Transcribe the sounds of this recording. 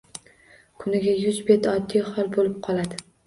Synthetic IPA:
kʰʊnɪɡʲajʊzbet̪ɒd̪ːijχɒlˠbolɪp̚qʰɒlad̪ɪ

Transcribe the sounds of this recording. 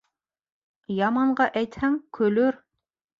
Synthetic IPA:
jɑmɑɴɢɑʔæjt̪hæŋkʰɵ̆lɵɾ

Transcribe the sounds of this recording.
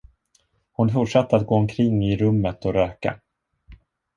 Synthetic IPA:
hʊnfʊʈʂɛt̪ːəɾat̪̚ɡoːɔmkʰɾɪŋːɪɾɵmːət̪ɔɾøːka̰

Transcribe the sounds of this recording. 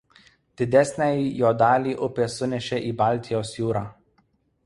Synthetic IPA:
d̪̥ʲɪd̪ʲɛsʲnʲɛˑɪjoːd̪ɑːlʲiːʔʊpʲeːsʊnʲɛʃʲɛʔiːbɑˑlʲˑt̪ʲɪjoːsjuːɾɑː

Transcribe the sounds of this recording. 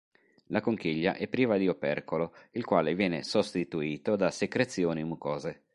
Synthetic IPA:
lakoŋk̟iʎːa̰ʔɛpːɾiːvad̪iopɛ̰rkoloilkwaːlevjɛːnḛsost̪it̪uiːt̪od̪asekɾet̪sːjoːnimukɔːze

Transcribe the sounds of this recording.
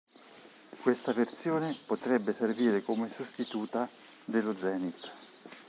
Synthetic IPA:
kwest̪avert̪sjoːnepot̪ɾɛbːeserviːɾekomesost̪it̪uːt̪a | d̪elːod̪zɛːnit̪

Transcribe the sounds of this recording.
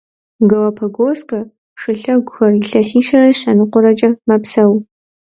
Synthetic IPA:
ɡɐwɐpʰɐɡoːskʰʼɐ | ʂɨɬɐɡʷʊxɐriɬɐsiːʃɐrɐɕɐnɨqʷʊɾɐt͡ʃʼɐmɐpsɐw

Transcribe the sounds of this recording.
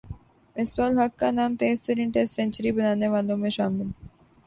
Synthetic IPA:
esbɔːlɦɐkːanaːmt̪eːst̪əɾĩnʈesʈsɛ̃ːɲt͡ʃəɾibɐnaːneʋaːlõmẽʃaːmɪl

